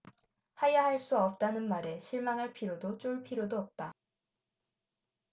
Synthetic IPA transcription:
hajahaɭs͈uʌp̚t͈anɯnmaɾe̞ɕʰiɭmaŋɦaɭpʰiɾjodot͡ɕ͈oɭpʰiɾjodoʌp̚t͈a

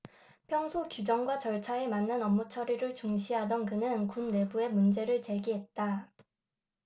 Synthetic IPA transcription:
pʰjʌŋsʰokjud͡ʑʌŋɡwat͡ɕʌɭt͡ɕʰae̞manːɯnʌmːut͡ɕʰʌɾiɾɯɭt͡ɕuŋɕʰiɦadʌnkɯnɯnkunːe̞bue̞mund͡ʑe̞ɾɯɭt͡ɕe̞ɡiɦe̞t̚t͈a

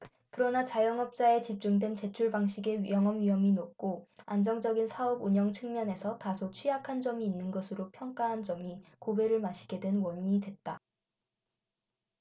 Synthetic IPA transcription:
kɯɾʌnat͡ɕajʌŋʌp̚t͡ɕ͈ae̞t͡ɕip̚t͡ɕ͈uŋdwe̞nt͡ɕe̞t͡ɕʰuɭbaŋɕ͈ʰiɡe̞jʌŋɦʌmɥiɦʌminok̚k͈oand͡ʑʌŋd͡ʑʌɡinsʰaʌbuɲʌŋt͡ɕʰɯŋmjʌne̞sʰʌtasʰot͡ɕʰɥijakʰand͡ʑʌmiːnːɯnɡʌsʰɯɾopʰjʌŋk͈aɦand͡ʑʌmikobe̞ɾɯɭmaɕʰi̥ɡe̞dwenwʌɲidwe̞t̚t͈a

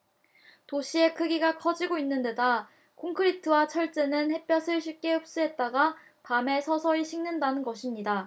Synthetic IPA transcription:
toɕʰie̞kʰɯɡiɡakʰʌd͡ʑiɡoinːɯnde̞da | kʰoŋkʰɯɾitʰɯwat͡ɕʰʌɭt͡ɕ͈enɯnhe̞p͈jʌsʰɯɭɕʰik͈e̞ɯp̚s͈uɦe̞t̚t͈aɡa | pame̞sʰʌsʰʌɾiɕʰiŋnɯndanɯnɡʌɕʰimɲida

